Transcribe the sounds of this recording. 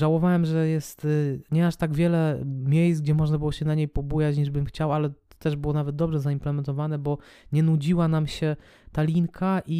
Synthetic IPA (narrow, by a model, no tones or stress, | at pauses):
ʐawɔvawɛmʐɛjɛst̪ɲɛaʂt̪aɡvʲjɛlɛmʲjejsɡd͡ʑɛmɔʐnabɘwɔɕɛnaɲejpɔbujat͡ɕɲiʐbɘmxt͡ɕawalɛt̪ɛʐbɘwɔnavɛt̪̚d̪ɔbʐɛzaimplɛmɛnt̪ɔvanɛbɔɲɛnud͡ʑiwanamɕɛ | t̪alʲiŋkʰaʔi